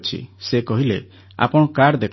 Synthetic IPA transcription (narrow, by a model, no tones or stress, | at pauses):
t͡ʃʰḭsekɔɦilḛ | a̰pɔɽ̃ɔkaɾd̪ekʰ